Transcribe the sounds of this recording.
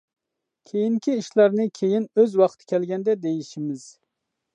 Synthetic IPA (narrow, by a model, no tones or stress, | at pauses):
kʲʰejiŋkʲʰiiʃlˠɑɾnɨkʲʰejinøzwɑqʰt̪ʰɨ̥kʲʰɛlɡʲɛnd̪ɛd̪ejiʃimɪz̥